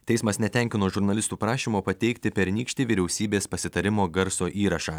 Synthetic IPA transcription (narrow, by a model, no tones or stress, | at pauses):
t̪ʲɛɪsmɐsnʲɛt̪ʲɛŋʲkʲɪnoːʒʊɾnɐlʲɪst̪uːpɾɑːʃʲimoːpɐt̪ʲɛɪkt̪ʲɪpʲɛɾnʲiːkʃʲt̪ʲiʋʲiɾʲɛʊsʲiːbʲeːspɐsʲɪt̪ɐɾʲɪmoːɡɐɾsoːʔiːɾɐʃɑː